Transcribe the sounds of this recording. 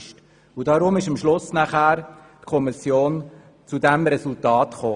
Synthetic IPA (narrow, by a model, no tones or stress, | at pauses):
ʃt | udɑɾʊmɪʃəmʃlʊsnaχæːɾ | tkʰɔmisjoːn | t͡sudɛmɾɛsultɑːtχoː